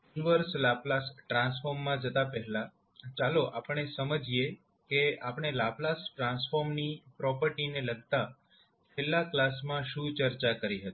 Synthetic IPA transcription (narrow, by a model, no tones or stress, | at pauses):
juniʋəɾslaplasʈɾãnsfoɾmːãd͡ʒət̪apɛɦɛla | t͡ʃaloʔapəɳ̃esəməd͡ʒʱije | keapəɳ̃elaplasʈɾãnsfoɾmnipɾɔpəɾʈineləɡ̚t̪a | t͡ʃʰelːaklasmãʃũt͡ʃəɾt͡ʃakəɾiɦət̪i̥